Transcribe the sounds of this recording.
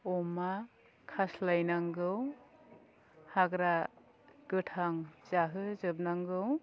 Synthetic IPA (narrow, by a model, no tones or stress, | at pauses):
ɔma | kʰaslajnaŋɡɯw | haɡɾa | ɡ̥ɯtʰaŋz̥aɦɯzɯb̚naŋɡɯw